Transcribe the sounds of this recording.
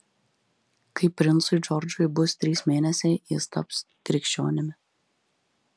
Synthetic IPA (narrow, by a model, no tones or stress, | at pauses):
kɐɪpʲːɾʲɪnt̪sʊɪd͡ʒɔɾd͡ʒʊjbʊst̪ʲɾʲiːsmʲeːnʲɛsʲɛɪjɪ̰st̪ɐ̰ps | kɾʲɪkʃʲt͡ʃʲo̰ːnʲɪmʲɪ